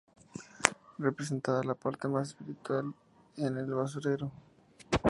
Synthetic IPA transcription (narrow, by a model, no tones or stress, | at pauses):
repɾes̬e̞nt̪aðalapaɾt̪e̞mas̬espiɾit̪wal | enelβas̬uɾeɾo